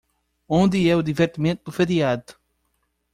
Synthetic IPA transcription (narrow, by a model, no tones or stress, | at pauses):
õnd̪ɨɛud̪iveɾt̪imẽnt̪ud̪ufeɾiad̪u̥